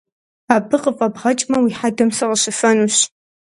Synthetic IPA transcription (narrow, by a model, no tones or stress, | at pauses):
aːbɨqʼəfʼɐbʁɐt͡ʃʼmɐwiħadɨmsɐʁəɕɨfɐnuɕ